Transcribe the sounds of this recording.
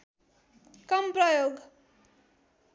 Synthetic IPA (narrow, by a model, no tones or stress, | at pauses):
kʌmprʌjoɡ